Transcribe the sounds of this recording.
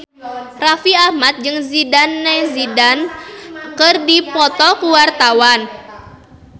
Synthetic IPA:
rafiahmat̪̚d͡ʒɨŋzidanːɛzidan | kɨrdipɔt̪ɔkuwart̪awan

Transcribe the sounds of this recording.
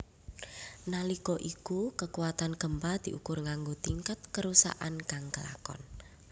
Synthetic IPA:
nalikɔʔikukəkuwat̪anɡ̥əmpad̪̥i̤ʔukʊrŋaŋɡot̪iŋkat̪̚kəɾusa̰ʔankaŋkəla̰kɔ̰n

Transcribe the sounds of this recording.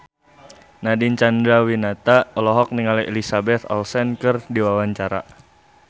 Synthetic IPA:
nadiɲt͡ʃandɾawinat̪aɔlɔɦɔk̚niŋalielisabɛt̪ɔ̰lsɛnkɨrdiwawaɲt͡ʃaɾa̰

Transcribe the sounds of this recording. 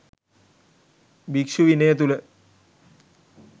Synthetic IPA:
bikʂuʋinəjət̪ulə

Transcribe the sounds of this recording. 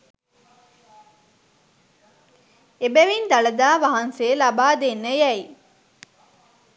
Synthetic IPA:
ebeʋind̪ɐlɐd̪aːʋɐɦɐnseːlɐbaːd̪enːejæi

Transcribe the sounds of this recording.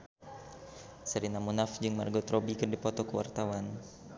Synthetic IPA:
səɾinamunafd͡ʒɨŋmarɡɔt̪ɾobikɨrdipɔt̪ɔkəwa̰rt̪awan

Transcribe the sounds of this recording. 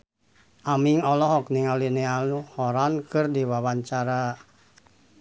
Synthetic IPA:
ʔamiŋɔlɔɦɔk̚niŋalinɛaluhɔɾankɨrdiwawaɲt͡ʃaɾa

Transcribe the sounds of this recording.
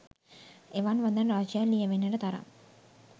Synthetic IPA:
eʋanʋand̪anraːd͡ʒijalːijəʋenːɐʈət̪aɾa̰m

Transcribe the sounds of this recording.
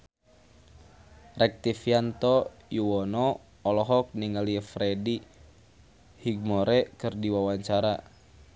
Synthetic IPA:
rɛk̚t̪ifiant̪ɔjuwɔnɔː | lɔɦɔk̚niŋalifɾɛdi | hiɡ̚mɔɾɛkɨrdiwawaɲt͡ʃaɾa

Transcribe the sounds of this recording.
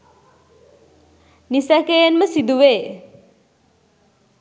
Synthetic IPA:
nisækejenməsid̪uʋeː

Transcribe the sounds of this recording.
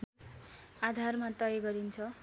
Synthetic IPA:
ad̪ʱarmat̪ʌjeɡʌɾint͡sʰʌ

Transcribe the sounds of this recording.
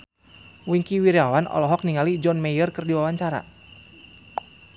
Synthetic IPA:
wiŋkiwiɾiawanɔ̰lɔɦɔk̚niŋalid͡ʒɔnmɛjərkɨrdiwawaɲt͡ʃaɾa̰

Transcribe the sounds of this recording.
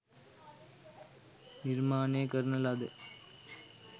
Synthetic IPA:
nɪɾmaːneːkɐɾnɐlɐd̪ɯ

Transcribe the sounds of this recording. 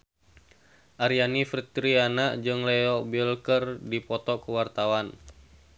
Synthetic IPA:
ʔaɾianift̪ɾianaʔd͡ʒɨŋlɛɔbilkərdipɔt̪ɔkuwart̪awan

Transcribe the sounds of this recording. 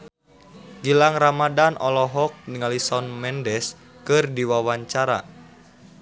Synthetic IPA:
ɡilaŋramadanʔɔlɔɦɔk̚niŋalisɔnmɛndɛs | kɨrdiwawaɲt͡ʃaɾa̰

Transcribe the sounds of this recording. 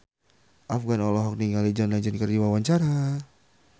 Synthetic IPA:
ʔafɡanɔlɔɦɔk̚niŋalid͡ʒanlad͡ʒankərd͡ʒiwawaɲt͡ʃaɾa

